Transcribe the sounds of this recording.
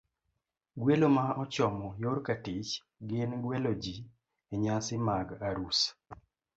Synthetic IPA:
ɡwelomaɔt͡ʃɔmɔjoɾkatɪt͡ʃ | ɡɪnɡwelod͡ʒi | eɲasɪmaɡaɾus

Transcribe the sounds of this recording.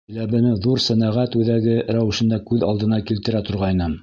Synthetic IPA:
ɘ̆læbɘ̆mɘðuɾsænæʁæt̪ʉðæɡɘɾæwɘ̆ʃɘ̆nd̪ækʉðɑlˠd̪ɤ̆nɑkilt̪ɘ̆ɾæt̪ŏɾʁɑjnɤm

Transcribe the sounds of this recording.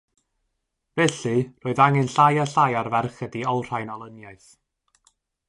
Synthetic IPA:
vɛɬɨroːɨðaŋɛnɬajaɬajarvɛrχədiɔwr̥ajnɔlˠənjaɨθ

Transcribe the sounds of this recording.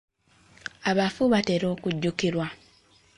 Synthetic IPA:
aβafuβate̞ɾo̞ːkuɟːukiɾwa

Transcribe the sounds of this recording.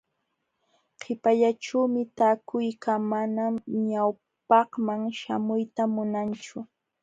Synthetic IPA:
qʰɪpaʎaʈ͡ʂaːmɪt̪aːkʊjkamanamɲaw | pɑhmaŋʃamʊjt̪amʊnant͡ʃʊ

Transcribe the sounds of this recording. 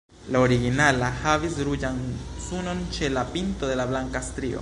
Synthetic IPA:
lao̞ɾiɡinalahavisɾud͡ʒansuno̞nt͡ʃe̞lapinto̞d̪e̞lablaŋkastɾio̰

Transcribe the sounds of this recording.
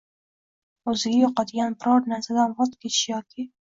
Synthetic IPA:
ɵzɪɡʲajɒqɑd̪ɪɡʲanbɪɾɒɾnaɾsad̪aʁɒt̪kʲʰet̪ɪʃɪjɒkʲɪ

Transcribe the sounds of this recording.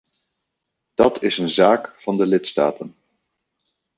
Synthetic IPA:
d̥ɑtʰɪsənzaːkfɑndəlɪtsta̰ːtən

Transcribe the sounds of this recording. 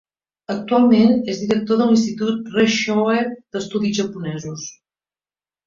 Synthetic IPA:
ək̚t̪ualˠmenezðiɾək̚t̪oðəlinst̪it̪ut̪̚reʃoeɾd̪əst̪uðizʒəpunɛzus

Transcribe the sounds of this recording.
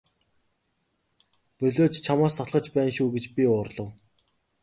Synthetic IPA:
pɵɮoːt͡ɕt͡ɕʰamaːsaɮχə̆t͡ɕpæːnʃuːɡet͡ɕpʲiʊːrɮə̆w

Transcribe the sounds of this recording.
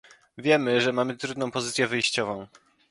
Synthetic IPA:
vʲjɛmɘʐɛmamɘt̪ɾud̪nɔ̃w̃pɔzɘt̪sʲjɛvɘjɕt͡ɕɔvɔ̃w̃

